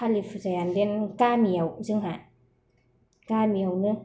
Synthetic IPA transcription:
alifɯzajandenkamiəwzɯŋɦa | kamiəwnɯ

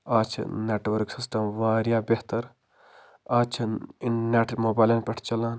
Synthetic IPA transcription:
aːt͡ʃʰneːʈʋɐɾksisʈɐmʋaːɾjaːbeht̪ɐɾ | aːt͡ʃʰnneʈʰmoːbaːjleːnpʲɐʈʰt͡ʃɐlaːn

